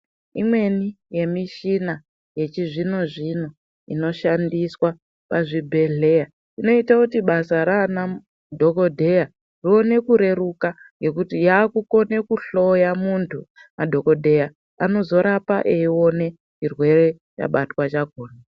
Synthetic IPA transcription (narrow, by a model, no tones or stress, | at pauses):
imwe̞ni | je̞miʃina | je̞t͡ʃiʐino̞ʐino̞ | ḭno̞ʃandiswa | paʐibʱe̞ɮe̞ja | ino̞itakutiɓasaɾana | dʱo̞kodʱe̞ja | rione̞kuɾe̞ɾukaŋɡe̞kutijaːkuko̞ne̞kuɬo̞jamuntʰu | madʱo̞ko̞dʱe̞ja | ano̞zo̞ɾapa̰ʔeio̞ne̞ | t͡ʃirwe̞re̞ | t͡ʃa̰ɓatwat͡ʃaɡʱoːna